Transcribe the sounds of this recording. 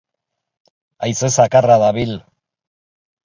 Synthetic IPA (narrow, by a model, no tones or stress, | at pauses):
ajsesakaraðaβil